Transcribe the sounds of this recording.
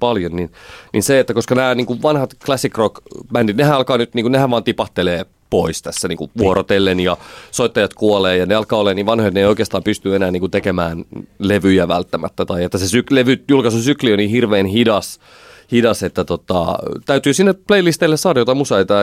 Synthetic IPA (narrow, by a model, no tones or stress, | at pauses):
pɑljonninnʔinseet̪ːækoskɑnæːniːŋkuʋʋɑnhɑt̪klæsːikrokmændit̪nehænɑlkɑːnyt̪niːŋkunnehæʋʋɑːnt̪ipɑht̪eleː | poist̪æsːæniːŋkuʋuoɾot̪elːenjɑsoit̪ːɑjɑt̪kuoleːjɑneɑlkɑːolːeːniːʋɑnhojot̪neijoikeːst̪ɑːmpyst̪yenæːniːkunt̪ekemæːnleʋyjæʋæ̰lt̪ːæmæ̰t̪ːæt̪ɑiet̪ːæsesykleʋyjulkɑsusyklionihirʋeːnhidɑs | hidɑset̪ːæt̪ot̪ɑ̰t̪æyt̪yːsinːepleilist̪elːæsɑːdɑjot̪ɑmusɑit̪ɑ